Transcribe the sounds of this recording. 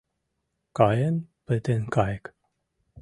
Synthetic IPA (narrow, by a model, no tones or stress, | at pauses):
kajənpət̪enkajk